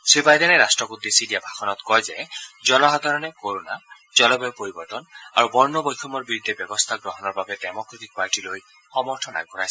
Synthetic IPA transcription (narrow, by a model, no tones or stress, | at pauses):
sibajdɛnɛɹastɹɔkud̪ːesidiabʱaxɔnɔt̪kɔjzɛzɔlɔɦad̪ʱaɹɔnɛkoɹona | zɔlɔbɔjpoɹibɔɹtɔna̰ɹubɔɹnɔbɔjkʰɔmɔɹbiɹud̪ʱːɛbɛbɔst̪ʰaɡɹɔɦɔnɔɹbabɛdɛmɔkɹetik̚paɹtiloj | xɔmɔɹtʰɔna̰ɡɔɹajs